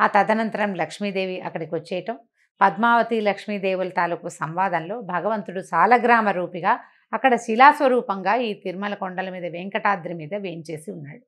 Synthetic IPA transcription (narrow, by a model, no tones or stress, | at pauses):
aːt̪ɐd̪ɐnɐnt̪ɐɾɐmlɐkʂmiːd̪e̞ːʋiʔɐkːɐɽikiʋot͡ʃːɛːjʈɐm | pɐd̪maːʋɐt̪ilɐkʂmiːd̪eːʋulɐt̪aːlukuɐsɐmʋaːd̪ɐnlo̞ːbʱɐɡɐʋɐnt̪uɽut͡ʃaːlɐɡɾaːmɐɾuːpiɡaː | ɐkːɐɽɐʃilaːsʋɐɾuːpɐŋɡaːiːt̪iɾmɐlɐkoɳɖɐlɐmiːd̪ɐʋeŋkɐʈaːd̪ɾimiːd̪ɐʋe̞ːɲt͡ʃe̞ːsiunːaːɽu